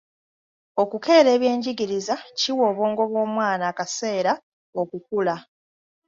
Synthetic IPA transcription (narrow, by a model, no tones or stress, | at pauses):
o̞kuke̞ːɾe̞ːβje̞ːɲɟiɡiɾizaciwoːβo̞ːŋɡo̞βwo̞ːmwaːnaːkase̞ːɾa | o̞kukula